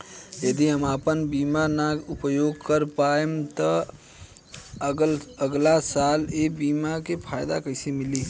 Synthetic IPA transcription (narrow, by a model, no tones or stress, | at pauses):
jəd̪iɦəmapənbiːmanaɡʊpəjoːɡkəɾpaemt̪ə | ləɡlasaːlebiːmakepʰaːɪd̪a̰kəɪsemɪli